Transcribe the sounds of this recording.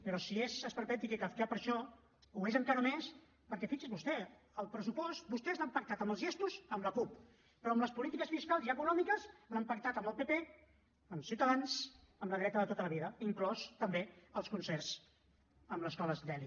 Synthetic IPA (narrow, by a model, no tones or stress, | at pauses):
pəɾɔsiezəspəɾpɛt̪ikekafk̪apəɾʃɔ | uezəŋkaɾəmes | pəɾkɛfit͡ʃizβust̪ɛ | əlˠpɾəsupɔst̪̚bust̪ɛznampək̚t̪at̪əmbəlˠzʒest̪uzəmləkup | pɾɔəmləspulit̪ikəsfiskalˠziəkunɔmikəznampək̚t̪at̪əməlˠpepe | əmsiuwt̪əðans | əmləðɾɛt̪əðət̪ot̪ələβiðəiŋklɔst̪əmbeəlˠskunsɛrz̥ | əmləskɔləzd̪ɛli